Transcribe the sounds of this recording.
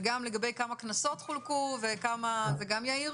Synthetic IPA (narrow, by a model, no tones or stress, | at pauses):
ɡamle̞ɡabejkamaknaso̞tχulkuvekamazeɡamjai